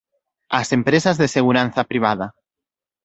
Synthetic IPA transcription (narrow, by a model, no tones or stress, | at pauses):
asempɾesazðeseɣ̞uɾan̟θapɾiβ̞að̞a